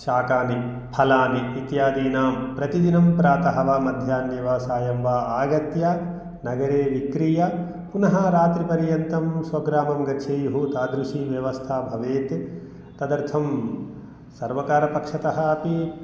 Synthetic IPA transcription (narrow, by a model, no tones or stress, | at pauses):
ʃaːkaːni | pʰɐlaːniːt̪jaːd̪iːnaːmpɾɐt̪id͡ʒinɐmpɾaːt̪ɐɦɐʋaːmɐd̪ʱjaːnjiʋaːsaːjɐmʋaːaːɡɐt̪jaː | nɐɡɐɾeːʋikɾijaː | punɐɦɐɾaːt̪ɾipɐɾijɐnt̪ɐmsʋɐɡɾaːmɐmɡɐtʃʰejɦuːt̪aːd̪ɾuʃiːʋjɐʋɐst̪ʰaːbʱɐʋeːt̪e | t̪ɐd̪ɐɾt̪ʰɐm | sɐɾʋɐkaːɾɐpɐkʂɐt̪ɐɦɐ̆ːpi